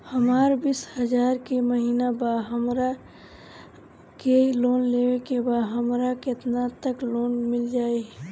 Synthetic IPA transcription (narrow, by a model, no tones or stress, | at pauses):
həmaːɾbishəd͡ʒaːɾkeməɦiːnabaɦəmɾa | keloːnlewekebaɦəmɾaket̪nat̪əklonmɪld͡ʒaːe